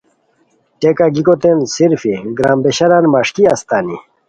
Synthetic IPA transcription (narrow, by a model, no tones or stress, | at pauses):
ʈekaɡikot̪ensiɾfiɡɾaːmbeɕɐɾanmaʂkiɐst̪aːni